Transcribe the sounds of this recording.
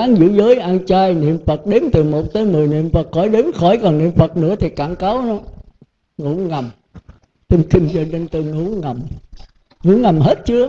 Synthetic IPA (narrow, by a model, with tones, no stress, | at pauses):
aː˨˦ŋzɨ̰˧˥zəː˨˦jʔaː˧nt͡ɕaː˧jnḭ˧˨əmfə˨˩t̚ɗe˨˦nt̪ɨ˨˩mo˨˩t̚t̪əː˨˦jmɨ˨˩əjnḭ˧˨əmfə˨˩t̚xɔ˧˩jɗe˨˦nxɔ˧˩jkɔ˨˩nnḭ˧˨əmfə˨˩t̚nɨ̰˧˥ət̪ʰi˨˩kaː˧˩˨nka˨˦wnɔ˨˦ | ŋṵ˧˥ŋa˨˩m | t̪ə˧ŋ͡mkï˧ŋ̟zɔ˧ɗe˧nt̪ɨ˧ŋṵ˧˥˦ŋa˨˩m | ŋṵ˧˥˦ŋa˨˩mhe˦˥t̚t͡ɕɨ˨˧˦ə